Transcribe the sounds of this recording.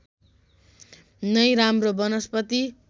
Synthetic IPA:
nʌjɾamrobʌnʌspʌt̪i

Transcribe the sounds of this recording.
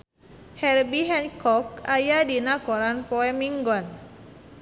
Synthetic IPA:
hɛrbiɦɛnkɔkajadinakɔɾanpɔɛmiŋɡɔn

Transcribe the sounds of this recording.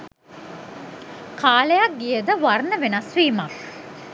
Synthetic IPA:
kʰaːlejak̚ɡijəd̪əʋarnəʋenasʋiːmak

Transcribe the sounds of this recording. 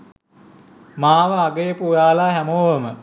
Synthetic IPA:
maːʋəaɡəjəpujaːlaːɦæmoːʋəmə

